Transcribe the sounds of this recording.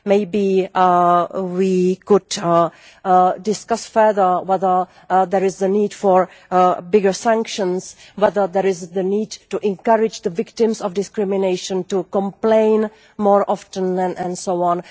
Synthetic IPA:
meɪbi | wikʊd | dɪskasfɛ˞ðə˞wɛðə˞ | ðɛɹɪzðəniːdfɔɹ | bɪɡəɹsãŋkʃə̃ns | wɛðə˞ðɛɹɪzðəniːdtuʔɛ̃nkaɹɪd͡ʒd̪əvɪktɪ̃msɔfdɪskɹɪmɪneɪʃə̃ntukɔ̃mplẽɪn | mɔːɹʔɔftə̃nɛ̃nɛ̃nsoʊɔ̃n

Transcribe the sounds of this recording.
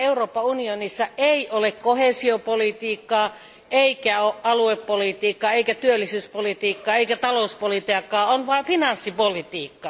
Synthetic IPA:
euroːpːˑɑunionisːɑʔeˑiʔolekkoheˑsiopolit̪iːkːɑː | ʔeikæoʔʔɑlueppolit̪iːkːɑeˑikæt̪yølːisyːspolit̪iːkːɑːeikæt̪ɑloˑuspolit̪eɑkːˑɑːonʋɑˑifinɑnsːipolit̪iːkːɑ

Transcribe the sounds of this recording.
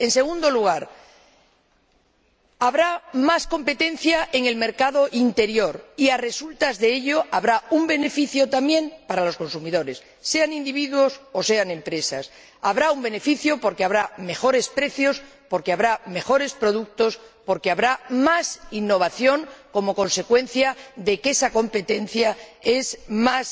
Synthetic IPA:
e̞nse̞ɣ̞und̪o̞luɣ̞aɾ | aβɾamasko̞mpe̞t̪e̞n̟θjae̞ŋe̞lme̞ɾkaðo̞ʔint̪e̞ɾjo̞ɾiare̞sult̪azðe̞eʎo̞ʔaβɾaumbe̞ne̞fiθjo̞t̪amjẽ̞mpaɾalo̞sko̞nsumiðo̞ɾe̞sːe̞anind̪iβ̞iðwo̞so̞se̞aŋẽ̞mpɾe̞sas | aβɾaumbe̞ne̞fiθjo̞po̞ɾkeaβɾame̞xo̞ɾe̞spɾe̞θjo̞spo̞ɾkeaβɾame̞xo̞ɾe̞spɾo̞ð̞uk̚t̪o̞spo̞ɾkeaβɾamasinːo̞β̞aθjo̞ŋko̞mo̞ko̞nse̞kwe̞n̟θjaðe̞ke̞sako̞mpe̞t̪e̞n̟θjae̞smas

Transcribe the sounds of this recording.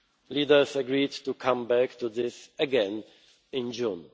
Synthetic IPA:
lidə˞səɡɹidtukʰãmbæktuðɪsəɡɛ̃n | ɪ̃nd͡ʒũn

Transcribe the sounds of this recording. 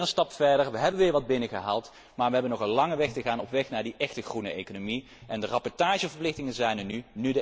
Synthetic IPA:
ənstɑpfɛɹdəɹʋəɦɛbənʋɪːɹʋɑd̚bɪnəχəɦa̰ːlˠt | maːɹʋəɦɛbənɔχənlɑŋəʋɛxtəɣaːnɔpʋɛxnaːɹdiʔɛxtəχrunəʔejkonomi | ʔɛndərɑpɔɹtaːʒəvəɹplɪxtɪŋənzɛjnəɹnynydə

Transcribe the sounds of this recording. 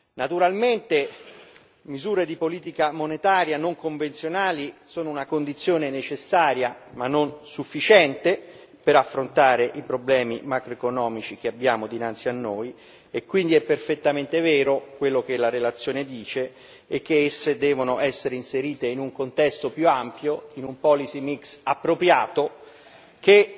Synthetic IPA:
nat̪uɾalment̪e | mizuːɾed̪ipoliːt̪̬ikamonet̪aːɾjanoŋkoɱvent̪sjonaːlisoːnounakond̪it̪sːjoːnenet͡ʃesːaːɾjamanːonsufːit͡ʃɛnt̪e | peɾafːɾont̪aːɾeʔipɾoblɛːmimakɾoekonɔːmit͡ʃik̟eabːjaːmod̪inant̪sianːoːj | ekwind̪iɛpːerfet̪ːament̪evɛːɾokwelːok̟elaɾelat̪sːjoːned̪iːt͡ʃe | ɛkːeesːed̪ɛːvonoʔɛsːeɾeinseɾiːt̪einuŋkont̪ɛst̪opjuampjoinumpɔlisimiksapːɾopɾjaːt̪o | ke

